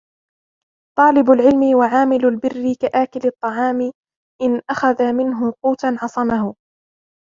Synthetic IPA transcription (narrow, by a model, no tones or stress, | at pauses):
t̪ˤɑːlɪbʊlʕɪlmɪwaʕaːmɪlʊlbɪrːɪkaʔaːkɪlɨt̪ˤːɑʕɑːmɪ | ʔɪnʔaxaðamɪnɦʊquːt̪anʕɑsˤɑmahʊ